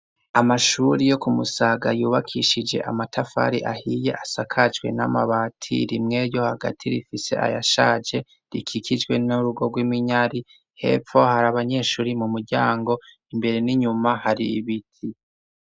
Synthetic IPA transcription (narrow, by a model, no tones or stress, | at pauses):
amaʃuɾijo̞kumusaɡajuːβakʰiʃid͡ʒe̞̰ʔa̰matʰafa̰ɾiʔahije̞̰ʔasakʰad͡ʒɡwe̞̰na̰maβatʰḭɾimŋe̞ɾjo̞haɡa̰tʰiɾifise̞̰ʔa̰jaʃaːd͡ʒe̞ | ɾikʰikʰid͡ʒɡwe̞nuɾuɡo̞ɡwimiɲaɾi | he̞̰ːp͡fo̞haɾaβaɲe̞ːʃuːɾimumuɾɟaːŋɡo̞ | imbe̞ɾe̞niɲumahaɾiβitʰi